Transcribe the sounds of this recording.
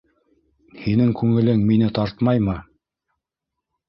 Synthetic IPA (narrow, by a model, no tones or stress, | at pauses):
hinɘŋkʉŋɘ̆lɘŋminɘt̪ɑɾt̪mɑjmɤ